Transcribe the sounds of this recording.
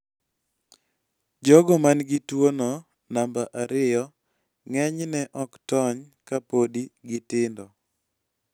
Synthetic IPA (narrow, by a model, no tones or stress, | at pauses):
d͡ʒɔɡɔmanɡɪtwonɔ | nambaʔaɾɪjɔ | ŋɛɲnɛʔɔktɔɲ | kapodiɡɪtɪndɔ